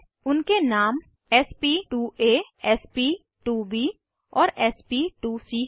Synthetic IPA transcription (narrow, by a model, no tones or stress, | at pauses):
ʊnkenaːm | ɛːspiːʈuːʔeːɛːspiː | ʈuːʋiː | ɔːɾɛːspiːʈuːsiː